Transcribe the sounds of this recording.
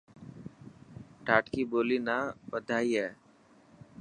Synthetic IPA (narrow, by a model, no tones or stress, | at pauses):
ʈaːʈkiːboːliːnaːpəd̪ʱaːiːɦɛː